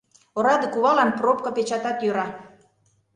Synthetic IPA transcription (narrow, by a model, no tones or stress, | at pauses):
oɾɑd̪ɤ̆kuβɑlɑnprop̚kɤpet͡ɕɑt̪ɑt̪jøɾɑ